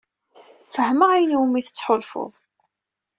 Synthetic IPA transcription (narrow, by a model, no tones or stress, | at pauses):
fəhməʕijnuwmiθət͡sːħʊlfʊ̰ðˤ